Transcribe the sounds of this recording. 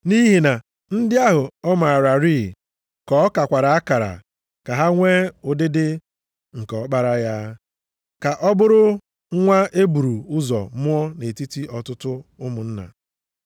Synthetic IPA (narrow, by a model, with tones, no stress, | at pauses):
ni˦ɦi˨na˨ | n̩˦dɪ˦a˦ɦʊ˨ɔ˦ma˨ɾa˨ɾiː˦˨ | kɔ˨˦ka˨kʷa˨ɾa˨a˦ka˨ɾa̰˨ | ka˨ɦa˦ŋʷe˦ʊ˨dɪ˦dɪ˦ | ŋ̩˨kɔ˨ɔ˦k͡pa˦ɾa˦ja˦ | ka˨ʔɔ˦bʊ˦ɾʊ˦ | ŋʷa˦ʔe˦bu˨ɾu˨ʊ˦zɔ̰˨mʊ˦ɔ˦ne˨ti˦ti˦ʔɔ˨tʊ˦tʊ˦ʊ˦mʊ˨n̩˦na̰˨